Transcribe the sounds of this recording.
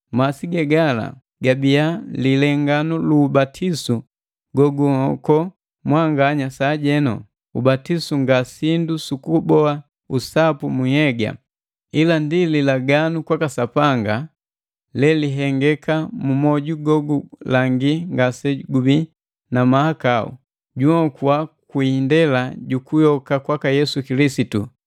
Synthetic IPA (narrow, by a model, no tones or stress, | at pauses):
masiɡɛɡala̰ | ɡabialilɛŋɡanuluːbatʰisu | ɡɔɡuhɔkɔ | mwaŋɡaɲasaːɟɛnɔ̰ | ṵbatisuŋɡasindusukubɔa | usapumuhɛɡa̰ | ilandililaɡanukwakasapaŋɡa | lɛliɦɛŋɡɛkamumɔɟuɡɔɡulaŋɡiŋɡasɛɡubi | namahakaṵ | ɟuɔkuwakwindɛlaɟukujɔkakwakajɛsukilisitu